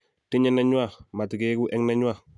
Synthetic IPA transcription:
ti˦ɲe˦na˦ɲwa˦ma˨ti˨ke˦ɡu˦ʔɛ˦ŋna˦ɲu˦a˦

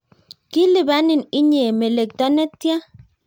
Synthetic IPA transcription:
ki˦lɪ˨ba˦nɪ˨ni˦ɲe˨me˨le˨k̚t̪ɔ˦nɛ˦tːja˦

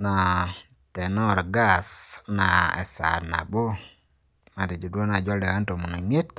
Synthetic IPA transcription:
na˨ | tɛ˨nɔ˦ɾɡa˦sna˨ɛ̰˨sa̰˨ɾna̰˨bo˦ | ma˨te˨d͡ʒu˨dwɔ˦na˨d͡ʒɔ˦lɛ˨a˦nto˨mu˨no˨me˦t̚

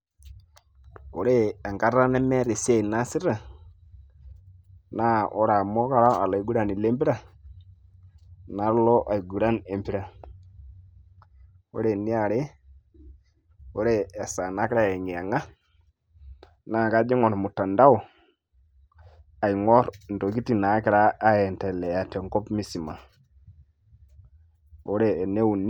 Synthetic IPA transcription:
o˨ɾe˦a˨ŋɡa˦ɾa˦nɛ˦mɛ˦ɾɪ˨se˦˨na˦sɪ˦ɾa˦˨ | na˦ʔɔ̰˦ɾa˨mɔ˦ka˦ɾa˦a̰˨la˨˦ɡu˦ɾa˨ni˨le˦mbi˦ɾa˦˨ | na˨˦ɾlɔ˦ʔa˨i˨ɡu˨ɾa˦ne˨mpi˦ɾa˨ | o̰˦ɾe˨nɪ˦a˨ɾe˦ | o˦ɾɛː˦˨sa˨na˦kɾa˦ɛ˨ŋi˨a˨ŋa˦ | na˨˦˨ka˦d͡ʒi˦ŋɔ˨ɾmu˨ta˨nda˦w | a˨i˨ŋɔ˦ɾn̩˨do˨ki˦ti˦˨na˨˦kɪ˦ɾaː˦jɛ˨ntɛ˨lɛ˨ja˨tɛ˨ŋkɔ˦pmi˦si˨ma̰˨ | o˦ɾɛ˨ne˦u˨n˦

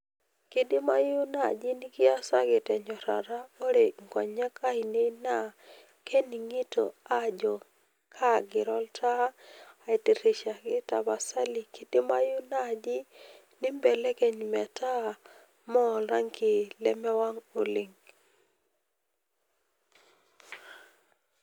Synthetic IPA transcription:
ki˦di˦ma˦jʊ˦na˨d͡ʒɪ˦nɪ˦ɡɪ˦a˦sa˦ɡɪ˨tɛ˨ɲɔ˨ɾa̰˨ɾa˦o˦ɾe˨ŋɡɔ˨ɲa˦ka˦i˨nɪ˦na˦ | kʰe˦ni˨ŋi˦to̰˨a˦d͡ʒɔ˨ | kʰa˦ɡɪ˨ɾɔ˦ltʰa˦a˨i˨ti˨ɾi˨ʃa˨ɡɪ˦ta˨ba˨sa˦li˨ki˦tɪ˦ma˦ju˦na˦˨d͡ʒɪ˦ | nɪ˦mbe˨le˦ke˦ɲmɛ˨tʰa˦ | mɔ˦˨la˦ŋkɪ˨lɛ˦mɛ˦wa˦ŋo˨li˨ŋ

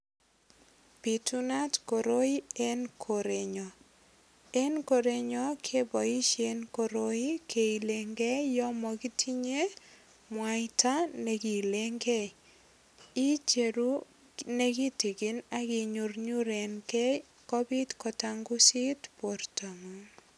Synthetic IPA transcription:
pi˨tu˦na˦tko˨ɾo˦i˦e˦nkʰoɾe˨ɲɔ˨ | e˦nko˨ɾeɲɔ˦kʰe˦bɔ˨i˦ʃe˦nkoɾo˦i˦kʰe˨i˨leŋɡe˦jɔ˦mɔki˦tʰi˦ɲe˦ | mwaɪta˦ne˨ki˨le˦ŋɡe˦j | i˦t͡ʃe˨ɾu˦ | ne˦ki˦ti˨ki˦na˦kɪ˨ɲurɲu˦ɾe˨nkɛ˦ | kɔ˦bi˦tkɔ˨ta˦ŋɡu˦si˦tpo˨ɾta˨ŋɔ

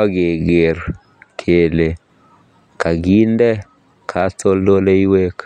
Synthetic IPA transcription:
a˦ɡe˨ɡe˨ɾ | kʰe˨le˨ | ka˨ɡi˦ndɛ˦ | kʰa˨˦to˦lo˦le˦i˦we˦k

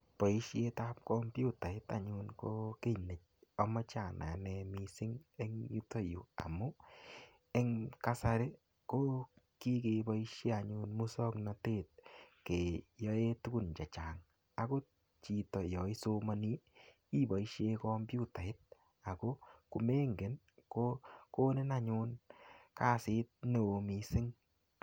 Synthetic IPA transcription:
pɔ˨i˦ʃje˦ta˦p̚kɔ˦mbju˦˨ta˨ɪ˦ta̰˨ɲu˧nko˦ke˦˨ne˨c̚ɔ˦mɔ˦t͡ʃa˨na̰˨nɛ˧mi˧sɪ˦ŋe˦ŋju˦tɔ˦jṵ˨a̰˨mu˦ | ɛ˦ŋka˦sa˧ɾe˦ | ko˦ | ki˦ke˨bɔ˦iʃje˦a˨ɲunmu˦sɔ˦kna˨teː˦t̚ke˨jɔ˦e˦tu˦ku˦nt͡ʃa˨t͡ʃaː˨ŋ | a˦ko˦ | t͡ʃi˨tɔ˨jɔ˨i˦so˦ma˦ni˦ | i˦bɔ˨iʃe˦kɔ˦mbju˦ta˨ɪ˦t̚ | a˨ko˦ku˨me˦ŋɡe˨n | ko˦ko˦nɪ˦na˨ɲʊ˧nka˦sɪ˦t̚ne˨o˨mi˨sɪ˦ŋ

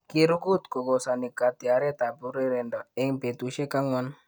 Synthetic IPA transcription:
kiɾu˦ɡu˦t̪ko˨ɡosani˨kat̪i˨a˨ɾɛ˦t̪a˨pu˦ɾi˦ɾe˨ndɔ˨ɛ˦ŋpe˨t̪uʃe˦ka˦ŋɔ˦n

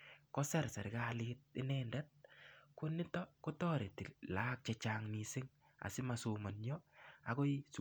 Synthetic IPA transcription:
kɔ˦sɛ˦ɾsa˨ɾɪka˦lɪt̚ɪ˦nɛndɛ˦t̚ko˦nɪ˦tɔ˦ko˦tɔ˦ɾe˨tɪ˨laː˦k̚t͡ʃɛt͡ʃaŋni˨sɪ˦ŋ | a̰˨sɪ˦masoma˨nɲɔ˦a̰˨ko˦is

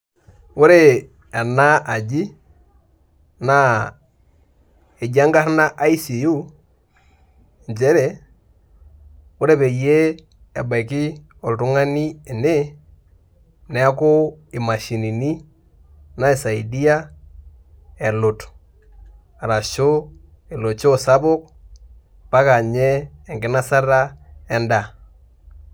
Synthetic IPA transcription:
wo˦ɾe˦ | a˨na˦a˨d͡ʒi˦ | na˨ | e˨d͡ʒa˦ŋɡa˦ɾna˦ʔa˦i˦si˨ju˦˨ | nd͡ʒɛ˦ɾɛ˨ | wo˦ɾe˦pɛ˨je˦ | ɛ˨ba˨i˨ki˦ | ɔ˨ltu˦ŋa˦ni˦e˨ne˦ | nɛ˦a˦ko˦ɪ˨ma˨ʃi˨ni˨ni˦ | na˦i˨sa˨i˨di˦a˦ | e˨lo˨t | a˨ɾa˨ʃo˦ | e˨lo˨t͡ʃo˦sa˦bʊ˦k̚ | pa˦ka˨ɲɛː˦˨ŋɡɪ˨˦na˦sa˦ra˦ɛ˦nda˨

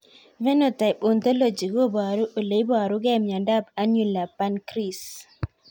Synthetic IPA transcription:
vɛ˦no˨ta˨ɪ˨po˨nt̪o˦lo˦˨d͡ʒi˨ɡo˦˨ba˨ɾu˦ʔo˨le˨i˦bɔ˦˨ɾu˦ɡɛ˦˨mjɔ˨da˦˨pa˦nju˨la˨pa˦nkɾi˨s

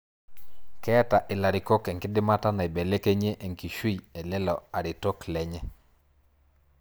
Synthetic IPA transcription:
kɛ˦ta˨ʔɪ˨la˨ɾɪ˨ko˦kɛ˨ŋkɪ˦dɪ˦ma˦ta˦na˨i˨be˨le˦ke˦ɲe˦ʔe˨ŋki˨ʃwi˦iɛ˨lɛ˦lɔ˨a˨ɾɪ˨to˦klɛ˨ɲɛ˦

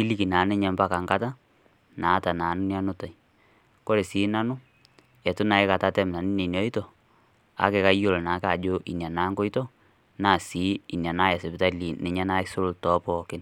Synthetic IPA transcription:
ki˦li˦˨ki˨naː˨˦nɪ˦ɲɛ˨mba˦ka˨ŋka˦ta˦ | naː˨˦ta˨naː˨˦nʊ˦nja˦nʊ˦ta˨j | ko˦ɾe˨siː˨˦na˦nʊ˦ | ɛ˨tʊ˦na˨˦ɪ˦ka˨ta˦tɛ˦mna˨nɪ˦ni˨njɔ˦i˦tɔ˨ | a̰˨˦ke˨ka˦jo˨lo˨na˨˦ka˨d͡ʒo˦ʔḭ˨nja˨naː˦ŋko˦i˦tɔ˦ | naː˦˨siː˨˦i˨nja˨na˦ja˨sɪ˨pɪ˨ta˦liː˨nɪ˨ɲɛ˦na˦so˦lʊ˨ltɔ˦pɔː˨kɪ˦n

